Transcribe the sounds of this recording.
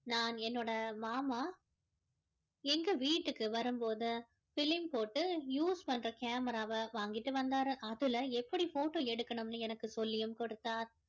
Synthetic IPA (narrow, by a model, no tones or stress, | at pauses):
naːnɛnːoːɽɐmaːmaː | ɛŋɡɐʋiːʈːɯkːɯʋɐɾɯmpoːðɯ | fɪlɪmpoːʈːɯjuːspɐnɾɐkaːmɐɾaːʋɐʋaːŋɡɪʈːɯʋɐnd̪aːɾɯʔɐðɯlɐɛpːɐɽifoːʈːoːɛɽɯkːɐɳɯmnːɯɛnɐkːɯsɔlːɪjɯmkɔɽɯt̪ːaːɾ